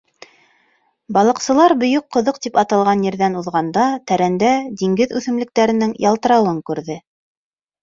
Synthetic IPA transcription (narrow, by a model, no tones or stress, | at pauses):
bɑlˠɤ̆qsɤ̆lˠɑɾbɵ̆jɵqːŏðɤq̚t̪ipɑt̪ɑlˠʁɑnjɘ̆ɾðænuðʁɑnd̪ɑt̪æɾænd̪æd̪iŋɡɘðʉθɘ̆mlɘ̆k̚t̪æɾɘ̆nɘŋjɑlˠt̪ɤ̆ɾɑwɤŋkʉɾðɘ